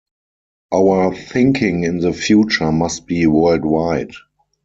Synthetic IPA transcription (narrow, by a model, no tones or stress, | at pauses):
ʔaʊə˞θɪ̃ŋkʰɪ̃ŋɪ̃nðəfjuːt͡ʃə˞mast̚b̥iːwɜ˞ldwaɪd